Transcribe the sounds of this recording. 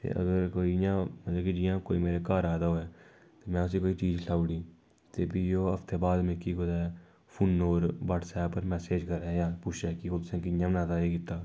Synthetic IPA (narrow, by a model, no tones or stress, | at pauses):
t̪ḛːʔə̰ɡəɾkoːijãmət̪ləbkid͡ʒiːãːko̰ːimeːɾekaːɾaːd̪aɦoːɛː | t̪emɛ̃ːʊsikoːit͡ʃiːd͡ʒsaːʊɽĩː | t̪eːpijoːəft̪eːbaːd̪mẽkikod̪aː | pʰunːoːɾbaːʈsɛːbpːəɾmɛːseːd͡ʒkəɾɛjãːpʊt͡ʃʰeːkikʊd̪sẽkɪɲjãːmnaːt̪aːekɪt̪ːaː